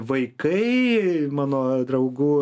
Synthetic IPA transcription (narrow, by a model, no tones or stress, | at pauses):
ʋɐɪkɐɪmɑːnoːd̪ɾɐʊɡuː